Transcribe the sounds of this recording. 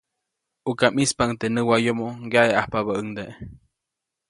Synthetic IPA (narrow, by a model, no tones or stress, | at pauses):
ukamispant̪enəwajomoɡjaʔeahpaβaəŋd̪eʔ